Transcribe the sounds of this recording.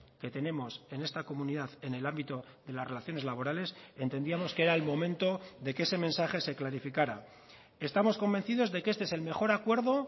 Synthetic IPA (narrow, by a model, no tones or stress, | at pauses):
ke̞t̪e̞ne̞mo̞se̞ne̞st̪ako̞muniðaθe̞ne̞lambit̪o̞ | ðe̞lasre̞laθjo̞ne̞zlaβ̞o̞ɾale̞se̞nt̪e̞niamo̞ske̞ɾaelmo̞mẽ̞nt̪o̞ðe̞keese̞mẽ̞nsaχe̞se̞klaɾifikaɾa | e̞st̪amo̞sko̞mbenθiðo̞zðe̞keest̪eese̞lme̞χo̞ɾakwe̞ɾðo̞